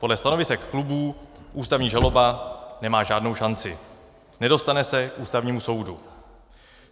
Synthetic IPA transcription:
po̞dlɛst̪ano̞vɪsɛkːlubuː | ʔuːst̪avɲiːʒalo̞banɛmaːʒaːdnowʃant͡sɪ | nɛdo̞st̪anɛsɛkʔuːst̪avɲiːmuso̞wdu

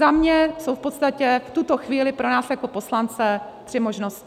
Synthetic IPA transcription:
amɲɛsowfpo̞t̪st̪acɛft̪ut̪o̞xviːlɪpɾo̞naːsjako̞po̞slant͡sɛt̪r̝̥ɪmoʒnoscɪ

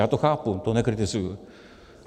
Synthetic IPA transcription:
at̪ohapːunt̪onekɯɾit̪esɨ

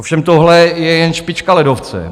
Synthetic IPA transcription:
ofʃɛmt̪oɦlɛjɛjɛnʃpɪt͡ʃkalɛdoft͡sɛ̰

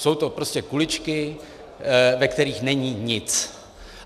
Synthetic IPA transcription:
so̞wt̪o̞pɾo̞scɛkulɪt͡ʃkɪ | vɛkt̪ɛɾiːxnɛɲiːɲɪt͡s

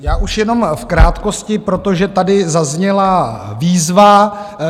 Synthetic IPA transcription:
jaːʔuʃjɛno̞mfkɾaːt̪ko̞scɪpɾo̞t̪o̞ʒɛt̪adɪzazɲɛlaviːzva

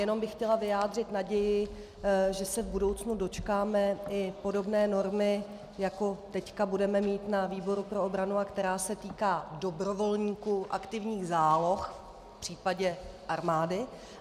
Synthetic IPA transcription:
jɛno̞mbɪxxcɛlavɪjaːdr̝ɪt̪naɟɛjɪ | ʒɛsɛvbudo̞wt͡snudo̞t͡ʃkaːmɛɪpo̞do̞bnɛːno̞ɾmɪ | jako̞t̪ɛckabudɛmɛmiːt̪naviːbo̞ɾupɾo̞obɾanuakt̪ɛɾaːsɛt̪iːkaːdo̞bɾo̞vo̞lɲiːkuʔakt̪ɪvɲiːɣzaːlo̞xf | pr̝̥iːpaɟɛʔaɾmaːdɪ

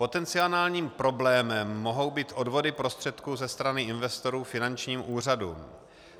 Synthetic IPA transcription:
po̞t̪ɛnt͡sɪo̞naːlɲiːmpɾo̞blɛːmɛmːo̞ɦo̞wbiːt̪ʔo̞dvo̞dɪpɾo̞st̪r̝̥ɛt̪kuːzɛst̪ɾanɪɪnvɛst̪o̞ɾuːfɪnant͡ʃɲiːmʔuːr̝adṵːm

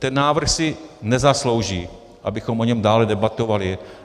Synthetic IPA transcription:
t̪ɛnːaːvr̩xsɪnɛzaslowʒiː | ʔabɪxomʔoɲɛmdaːlɛdɛbat̪ovalɪ

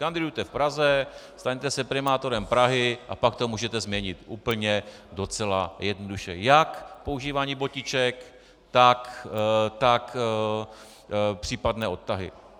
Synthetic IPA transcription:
kandɪdujt̪ɛfpɾazɛst̪aɲt̪ɛsɛpɾɪmaːt̪o̞ɾɛmpɾaɦɪʔa̰pakt̪omuːʒɛt̪ɛzmɲɛɲɪt̪ʔuːpl̩ɲɛdo̞t͡sɛlajɛdnoduʃɛjakpo̞uʒiːvaːɲiːbocɪt͡ʃɛk | t̪akt̪ak | pr̝̥iːpadnɛːʔo̞t̪t̪ːaɦɪ̰

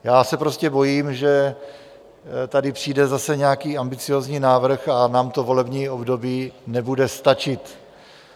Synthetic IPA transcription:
jaːsɛpɾo̞scɛbo̞jiːmʒɛ | t̪adɪpr̥iːdɛzasɛɲɛakiːambɪt͡sɪjo̞ːzɲiːnaːvr̩xanaːmt̪o̞vo̞lɛbɲiːo̞bdo̞biːnɛbudɛst̪at͡ʃɪt̪

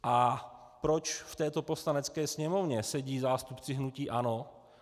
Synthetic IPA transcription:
ʔa | pɾot͡ʃft̪ɛːt̪o̞po̞slanɛt͡skɛːsɲɛmo̞vɲɛsɛɟiːzaːst̪upt͡sɪɦnuciːʔano̞

